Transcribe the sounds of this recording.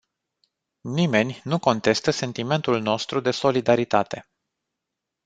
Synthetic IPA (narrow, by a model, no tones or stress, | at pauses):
nime̞nʲnuko̞nt̪e̞st̪əse̞nt̪ime̞nt̪ulno̞st̪ɾud̪e̞so̞lid̪aɾit̪at̪e̞̰